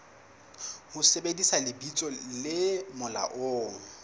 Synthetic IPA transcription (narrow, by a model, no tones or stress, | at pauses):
hʊsebedisalɪbit͡sʼɔlɪmʊla̰ʔoːŋ̩